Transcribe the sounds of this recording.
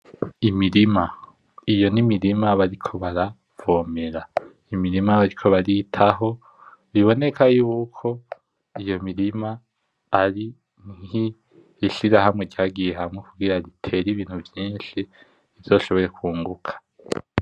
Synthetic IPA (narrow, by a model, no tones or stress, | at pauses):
imiɾima | ijo̞nimiɾimaβaɾikʰo̞βaɾa | v̥o̞ːme̞ɾa | imiɾimaβaɾikʰo̞βaɾitʰaɦo̞ | βiβo̞ne̞kʰajuːkʰo̞ | ijo̞miɾimaː | ɾi | ŋ̥iː | ʃiɾaɦamŋe̞ɟaːɡijeɦamwekuɡiɾaɾitʰe̞ɾiβiːn̥huvjiːnʃi | ivj̥o̞ːʃo̞βo̞ɾe̞kuːŋɡukʰḁ